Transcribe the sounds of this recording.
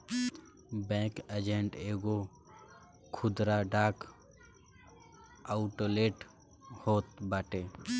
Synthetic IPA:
bɛ̃ːkəd͡ʒẽɳʈeːɡo | kʰʊd̪ɾaɖaːk | aʊʈoːleːʈ | hoːt̪baːʈeː

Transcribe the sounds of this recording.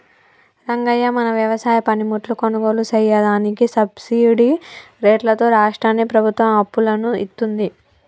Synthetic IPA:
ɾɐŋɡɐjːɐmɐnɐʋjɐʋɐsaːjɐpɐnimuʈlukonuɡo̞ːlusɐjːɐd̪aːnikisɐbsiːɽi | ɾeːʈlɐt̪o̞ːɾaːʂʈɾaːnipɾɐbʱut̪ʋɐmɐpːulɐnuit̪ːund̪i

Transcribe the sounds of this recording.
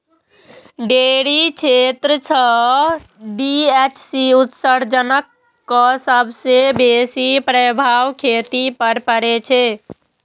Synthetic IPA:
ɖeɽit͡ʃʰet̪ɾət͡ʃʰə | ɖiet͡ʃʰsiut̪səɾd͡ʒənəkː | əsəbʱsebesipɾəbʱawkʰet̪ipəɾpəɾet͡ʃʰe

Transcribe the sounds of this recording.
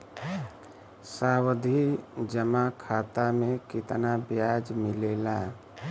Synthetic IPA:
sawəd̪ʱid͡ʒəmakʰaːt̪amẽkɪt̪nabjad͡ʒmɪleːla

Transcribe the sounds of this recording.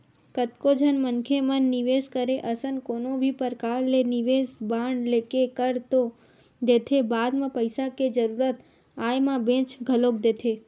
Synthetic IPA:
kət̪kod͡ʒʱənmənkʰemənːiʋeskəɾeʔəsənkonobʱipəɾkaɾleniʋesbaɳɖlekekəɾt̪o | d̪et̪ʰebad̪mãpəjsaked͡ʒəɾuɾət̪ | ajmãbẽt͡ʃɡʱəlobd̪et̪ʰe

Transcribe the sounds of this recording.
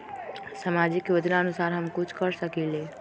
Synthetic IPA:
samad͡ʒɪkjod͡ʒnaənusaːɾɦəmkʊt͡ʃʰkəɾsəkileː

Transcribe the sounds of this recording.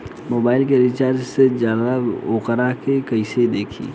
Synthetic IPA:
moːbaːɪlkeɾit͡ʃaːɾd͡ʒsed͡ʒjaːd̪aoːkəɾakekəɪsed̪eːkʰḭː

